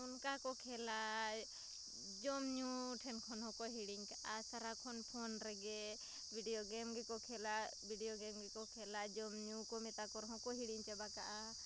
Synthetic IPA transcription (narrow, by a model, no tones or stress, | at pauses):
unkakɔkʰɛla | d͡ʒɔmɲuʈʰɛnkʰɔnɦɔ̃kɔɦiɽiŋkaʔasaɾakʰɔnpʰɔnɾɛɡɛ | bʱiɖijɔɡɛmɡɛkɔkʰɛla | bʱiɖijoɡɛmɡɛkɔkʰɛlad͡ʒɔmɲũkɔmɛt̪akɔɾɦɔ̃kɔɦiɽiŋt͡ʃabakaʔa